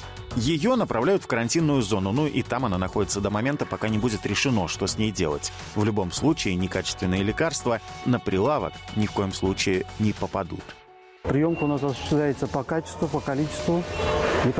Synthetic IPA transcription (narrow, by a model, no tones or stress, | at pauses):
jɪjo̞nəpɾʔɐvlʲæjʊt̪fkəɾɐnʲtʲinːʊjʊzo̞nʊnuʔit̪amɐnanɐxo̞dʲɪt̪səd̪əmɐmʲe̞nt̪əpɐkanʲɪbudʲɪt̪ɾʲɪʂɨno̞ʂt̪o̞sʲnʲejdʲe̞lˠə̰tʲ | vlʲʊbo̞mslˠut͡ɕɪːnʲɪkat͡ɕɪst̪vʲɪnːɨjəlʲɪkarst̪vənəpɾʲɪlˠavə̰knʲɪfko̞jɪmslˠut͡ɕɪɪnʲɪpəpɐd̪ṵt̪ | pɾʲɪjo̞mkəʊnasɐsʊ̥ɕɪ̥st̪lʲæjɪt̪səpɐkat͡ɕɪ̥st̪vʊpəkɐlʲit͡ɕɪ̥st̪vʊnʲɪk